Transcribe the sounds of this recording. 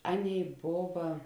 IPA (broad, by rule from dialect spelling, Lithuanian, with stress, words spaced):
ˈɑːˌnʲeːɪ ˈboːʋɐ